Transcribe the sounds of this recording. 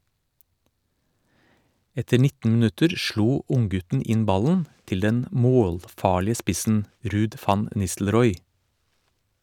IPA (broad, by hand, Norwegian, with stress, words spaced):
ˈɛtəɾ ˈnɪtn̩ mn̩ˈʉtəɾ ˈʃɭuː ˈʔʊŋˌɡʉtn̩ ˈɪn ˈbɑlən ˈtɪl ˈdɛn ˈmoːlˌfɑːɭɪə ˈspɪsn̩ ˈɾʉːd ˈfɑn ə ˈnɪstl̩ˌɾɔʏ